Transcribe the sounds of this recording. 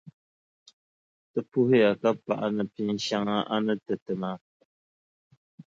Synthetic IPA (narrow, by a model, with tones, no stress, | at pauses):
tə˦pu˦hja˨ka˦pa̰˦˨ʔa˨nə˨pi˦n˦ʃa˦ŋa˦ʔa˦nə˦tə˨tə˨ma˨˦